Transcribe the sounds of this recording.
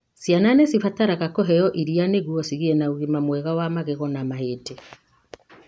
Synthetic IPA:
sjananesifataɾaɣakɔɦɛjɔʔiɾianeɣuɔsiɣiɛnauɣimamwɛɣawamaɣeɣɔnamaheːte

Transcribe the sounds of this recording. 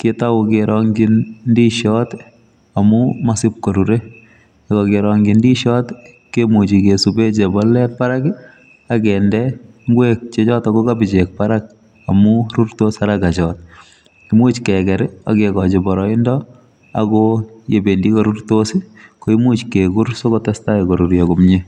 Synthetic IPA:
kɪtawʊkeɾɔŋɡinndiʃɔt | amumasɪp̚kɔɾuɾe | kɔkeɾɔŋɡɪndiʃɔt | kemut͡ʃikesubet͡ʃebɔlːɛpaɾak | akɛndɛ | ŋɡwek̚t͡ʃet͡ʃɔtakokabɪt͡ʃek̚paɾak̚ | amuɾuɾtosaɾakat͡ʃɔt̚ | kimut͡ʃkɛkɛɾa̰kekɔt͡ʃɪbɔɾɔɪndɔ | a̰kojebendikoɾurtosikoimut͡ʃkekuɾsokɔtɛstaikɔɾuɾjɔkumɲe

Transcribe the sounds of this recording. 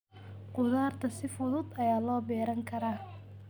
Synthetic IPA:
qʊðaːrt̪ʰɐsɪfʊðʊd̪ɐjaːlɔːbɛːɾɐŋkʰɐɾaː

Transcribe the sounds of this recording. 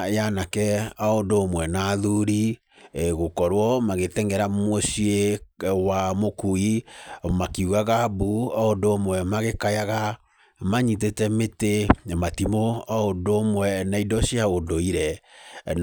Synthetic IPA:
janakɛaondoːmwɛnaðuɾi | ɣokɔɾwɔmaɣetɛŋɡɛɾamosiewamokuimakeuɣaɣabuaondoːmwɛmaɣekajaɣa | maɲit̬etɛmetematimoaondomwɛnaidɔsiaondoiɾɛ

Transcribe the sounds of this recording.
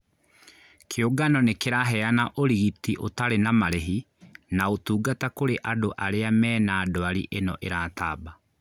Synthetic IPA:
kʰeoɡanɔnekeɾaɦɛanaʔoɾiɣitiʔotaɾenamaɾeɦi | naotuːɡatakoɾeʔadoʔaɾeamɛːnaːdwaɾḭʔenɔʔeɾaːtaːba

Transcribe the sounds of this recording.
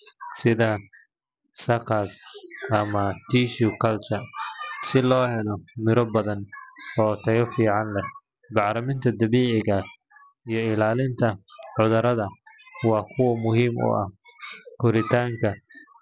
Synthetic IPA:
sɪðɐ | sɐkʰɐsʔɐmɐt̪ʰiːʃukʰɐlt͡ʃɐsɪlɔːhɛlɔmɪɾɔbɐðɐnɔːt̪ʰɐjɔfiːʕɑnlɛ | bɑʕɾɐmɪnt̪ʰɐd̪ɐβiːʕɪɣɐ | ijɞɪlaːlɪnt̪ʰɐʕʊðɐɾɐðɐ | wɑːkʰʊwɐmʊɦiːmʊ̰ʔɐ̰hkʰʊɾɪt̪ʰaːŋkʰɐ

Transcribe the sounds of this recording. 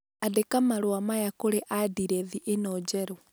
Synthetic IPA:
adekamaɾwamajakoɾeʔadiɾɛðiʔenɔːd͡ʒɛɾɔ

